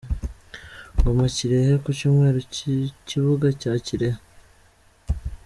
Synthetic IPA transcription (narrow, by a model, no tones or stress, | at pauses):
ɡomaciɾehekucuːmŋe̞ːɾoiciβuɡacaːciɾehe